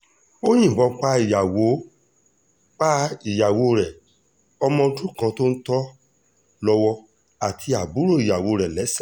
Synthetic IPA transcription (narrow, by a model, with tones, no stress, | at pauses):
o˦j̃ĩ˦˨bɔ˨˧k͡pa˦i˨ja˨wo˨˦ | k͡pa˦i˨ja˨wo˧˦˧ɾɛ˨ | ɔ˧mɔ̃˧˦˧tũ˦kã˧to˦n̩˦tɔ˦ | lɔ˧wɔ˧ | a˨tʰi˨˧a˨bu˨˦ɾo˦˨i˨ja˨wo˧˦˧ɾɛ˨lɛ˨˦sa˦˨